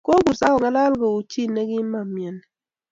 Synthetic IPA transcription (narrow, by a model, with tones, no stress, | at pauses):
ko˦ɡu˨sa˦ɔ˨ŋɛ˦la˦lɡo˨u˨t͡ʃi˦˨ne˦ɡi˦ma˦˨mjɛ˨n˨